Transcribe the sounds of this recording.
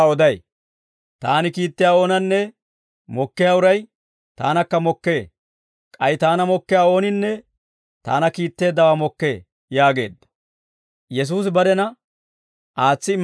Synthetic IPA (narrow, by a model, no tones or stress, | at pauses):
ɔd̪ɐj | t̪aːnɪkiːt̪ːɪjaːo̞ːnɐnːɛ | mɔkːɪjaːʊɾɐj | t̪a̰ːnɐkːɐmɔkːe̞ː | kʼɐjt̪aːnɐmɔkːɪjaːo̞ːnɪnːɛ | t̪a̰ːnɐkiːt̪ːe̞ːd̪ːɐwamɔkːe̞ː | jaːɡe̞̰ːd̪ːɐ̥ | jɛs̬uːs̬bɐd̪ɛnɐ | ʔaːt͡sːɪm